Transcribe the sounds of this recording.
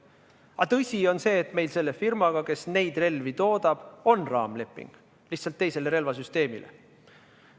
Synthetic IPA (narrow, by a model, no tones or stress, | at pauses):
ɑt̪ɤsʲio̞nse̞ːt̪me̞jlse̞lːe̞firmɑɡ̥ɑke̞sne̞jd̪̥re̞lvit̪o̞ːd̪̥ɑb̥o̞nrɑːmle̞pːˑḭŋɡ̥ | liht̪sɑlt̪ːe̞jse̞le̞ɾe̞lvɑsyst̪e̞ːmḭlʔḛ